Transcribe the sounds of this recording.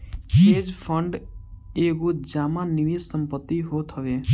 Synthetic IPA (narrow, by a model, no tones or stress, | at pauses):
eːd͡ʒpʰəɳɖeːkud͡ʒaːmãniʋisəmpət̪ːiɦoːt̪ɦəʋe